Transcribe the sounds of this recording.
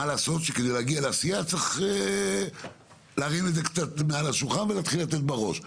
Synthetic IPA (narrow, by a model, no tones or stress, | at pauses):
alaːso̞t̪ʃeked̪ejleaɡialeasijat͡sʁeχe | leːʁined̪zekt͡sat̪mealaʃulχanvelaːt̪χilat̪et̪̚beʁo̞̰ʃ